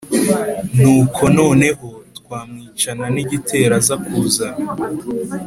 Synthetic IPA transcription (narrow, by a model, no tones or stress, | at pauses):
nuːkʰo̞no̞ːne̞ho̞tkwaːmŋiːt͡ʃananiɟitʰe̞ːɾazakuza